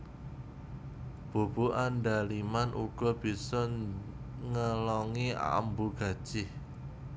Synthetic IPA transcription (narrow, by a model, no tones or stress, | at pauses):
b̥o̤b̥ṳʔaɳɖalimanʔuɡ̥ɔ̤b̥i̤sɔ | ŋəlɔŋia̰əmbuɡ̥ä̤d̥ʒ̥ɪh